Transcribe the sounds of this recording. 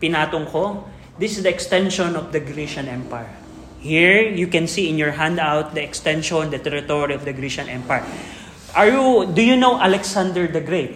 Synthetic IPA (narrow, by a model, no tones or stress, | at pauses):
pɪnaːt̪oŋko | d̪ɪsɪsd̪ɐɛkst̪ɛ̃nʃɔ̃nɔvd̪ɐɡɾiʃɐ̃nʔɛmpajɐ | hiɹjukɛ̃nsiɪ̃njɔɹɦãnd̪awt̪̚d̪ɐɛkst̪ɛ̃nʃɔ̃nd̪ɐt̪ɛɾɪt̪oɹiɔvd̪ɐɡɾiʃɐ̃nʔɛ̃mpaja | ʔɐɹjud̪ujunowʔalɛksãnd̪ɛɹd̪ɛɡɾejt̪̚